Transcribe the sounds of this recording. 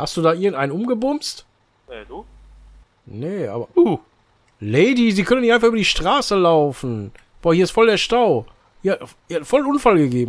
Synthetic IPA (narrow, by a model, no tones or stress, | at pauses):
hast̚d̥uːdaːʔɪɐɡŋ̩tʔaɪnənʔʊmɡəbʊmst | ɛdu | nəʔa̰ːbɐ | leɪdiziːkʰœnənɪçtʔaɪnfaχyːbɐdiːʃtʁ̥aːsəlaʊfn̩ | b̥oːhiɐɪstfɔldeːɐʃtaʊ | hiː | fɔlnʔʊnfalɡəɡeːbm̩